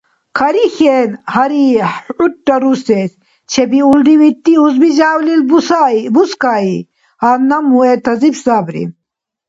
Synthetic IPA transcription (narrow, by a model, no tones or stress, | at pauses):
kʰɐɾixenhɐɾiuʈːɐɾuses | t͡ɕʰebiulɖ̪iwit̪ːiuzbid͡ʑaːwlilbusaibuskaːi | hanɐmuet̪ɐzibsaːbɾḭ